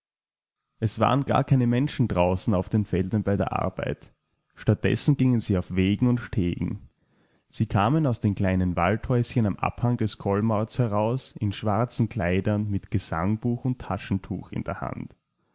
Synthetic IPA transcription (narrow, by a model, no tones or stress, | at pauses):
ʔɛsv̥a̰ːʁənɡ̥a̰ːɐkʰaɪnəmɛnʃn̩dʁaʊsn̩aʊfd̥eːnfɛldɐnbaɪdeːɐʔa̰ɐba̰ɪt | ʃtat̚d̥ɛ̰sn̩ɡɪŋənziːaʊfv̥eːɡŋ̩ʊntʃtʰeːɡŋ̩ | z̥iːkʰaːmənaʊsd̥eːnkl̥aɪnənva̰lthɔʏsçənamʔa̰phaŋdɛskʰɔlmɔɐtshɛʁaʊsɪnʃv̥aɐt͡sn̩kʰl̥aɪdɐnmɪtɡ̥əz̥a̰ŋbuːxʊntʰːaʃn̩tʰṵːxɪ̰ndeːɐha̰nt